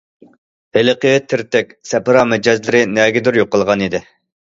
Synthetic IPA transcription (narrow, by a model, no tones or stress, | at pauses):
belɨqəjɪt̪ʰːɪɾt̪ɛk̚ʲsɛpɾɑːmɛd͡ʒɛzlɪɾɪnɛɡʲɪd̪yɾjoqːəlˠʁɑnid̪ɪ